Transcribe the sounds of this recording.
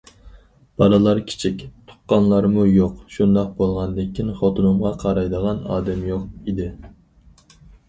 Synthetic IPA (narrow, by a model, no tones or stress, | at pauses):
b̥ɑlˠɨlˠɑɾkʲʰi̥t͡ʃʰikʲt̪ʰʊ̥qːɑnlˠɑɾmujoqʃund̪ɑq̚bolˠʁɑnd̪ɪkʲʰːinχot̪ʰunumʁɑqʰɑɾɑjd̪əʁɑnɑ̰ːd̪ɛmjoqid̪ɪ